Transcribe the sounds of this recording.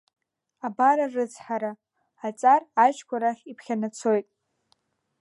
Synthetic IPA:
abaɾarɨt͡sʰħaɾa | at͡sʼarat͡ʃʰkʷʰaɾaχʲipʰχʲanat͡sʰo̞jtʼ

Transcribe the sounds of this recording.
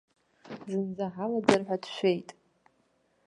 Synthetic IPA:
zʷɨnzaħalad͡zarħʷᶣadʃʷe̞jtʼ

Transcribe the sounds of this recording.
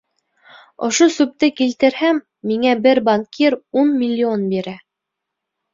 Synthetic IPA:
ŏʃosʉp̚t̪ɘkilt̪ɘ̆ɾhæmː | iŋæbɘɾbaŋkʰiɾunmʲilʲːionbiɾæ

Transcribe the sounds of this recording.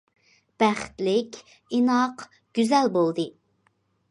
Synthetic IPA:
b̥æχt̪lɪkʲ | inɑq | ɡ̥ʲyzɛlbolˠd̪ɨ

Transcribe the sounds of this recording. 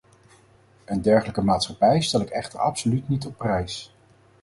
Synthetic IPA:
əndɛɹχələkəmaːtsχɑpɛjstɛlɪkɛχtə̰ɹɑ̰psolytnitɔpːrɛjs

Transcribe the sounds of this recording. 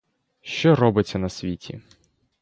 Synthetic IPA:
ʃt͡ʃɔɾɔbɪt͡sʲːɐnɐsʲʋʲitʲʰḭ

